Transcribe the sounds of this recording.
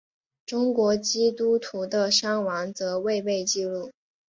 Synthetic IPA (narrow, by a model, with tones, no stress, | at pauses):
ʈ͡ʂʊ˥ŋkwɔ˧˥t͡ɕi˥t̪u˥t̪ʰu˧˥d̪ə˧ʂa˥ŋwɑ˧˥ŋt͡sɤ˧˥we˥˧ɪpe˥˧ɪt͡ɕi˥˧lu˥˩